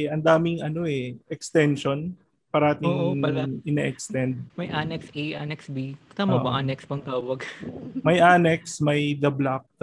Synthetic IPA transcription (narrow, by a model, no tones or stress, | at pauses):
ʔɐnd̪aːmɪŋɐno̞ɛʔɛkst̪ɛnʃo̞n | pɐɾɐʔaːt̪ɪŋɐlʔɪnaːʔɛkst̪ɛnd̪̚mɐjʔanɛksʔejʔanɛksbit̪aːmɐʔbɐʔanɛksbɐŋt̪aːwɐɡmɐjʔanɛk̚smɐjd̪ɐblak̚